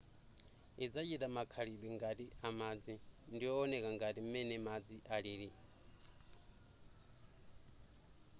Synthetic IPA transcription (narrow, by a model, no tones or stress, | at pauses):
id͡zat͡ʃitamakʰaɺiɓɛŋɡatiʔamad͡zindiɔːnɛkaŋɡatimɛnɛmad͡ziʔaɺiːɺi